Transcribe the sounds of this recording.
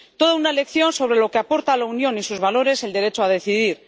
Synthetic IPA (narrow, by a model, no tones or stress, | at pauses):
t̪o̞ðaunaele̞kθjo̞nso̞β̞ɾe̞lo̞ke̞apo̞ɾt̪alaunjo̞nisuzβalo̞ɾe̞se̞ld̪e̞ɾe̞t͡ʃoaðe̞θiðiɾ